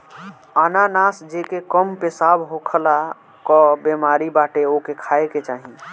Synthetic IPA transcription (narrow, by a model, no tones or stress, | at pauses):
ananasd͡ʒekekəmpesabɦokʰla | kɔbemaɾibaʈeokekʰaeket͡ʃaɦĩ